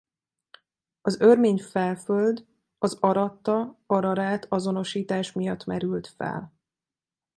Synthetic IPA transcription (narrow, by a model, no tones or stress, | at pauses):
ɒzørmeːɲfɛlføld̪ | ɒzɒɾɒt̪ːɒɒɾɒɾaːt̪ʰɒzo̞no̞ʃiːt̪aːʃmijɒt̪ːmɛɾylt̪fɛ̰l